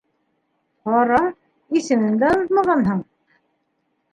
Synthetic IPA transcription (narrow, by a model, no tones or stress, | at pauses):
qɑɾɑ | isɘ̆mɘ̆ŋd̪æðmɑʁɑnɦɤɴ